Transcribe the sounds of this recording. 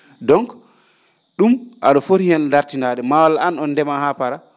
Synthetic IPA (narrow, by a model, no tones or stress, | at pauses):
dɔŋk | ɗumʔa̰ɗɔfoɾihɛndaɾtinaɗɛmawalaanɔnːdɛmahapaɾa